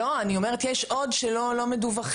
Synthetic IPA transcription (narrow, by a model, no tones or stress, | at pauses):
oanio̞meʁetjɛʃʔo̞dʃelo̞lo̞meduvaχ